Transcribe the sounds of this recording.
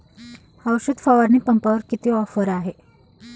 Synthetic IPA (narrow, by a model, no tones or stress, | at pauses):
hawɕud̪fəʋəɾniːpəmpəʋəɾkit̪iːɔfəɾaɦe